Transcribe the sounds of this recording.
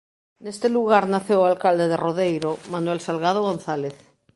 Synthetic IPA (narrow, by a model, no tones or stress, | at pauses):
nest̪eluɣaɾnaθjowalkald̪eðeroðejɾomanwelsalɣað̞oɣonθaleθ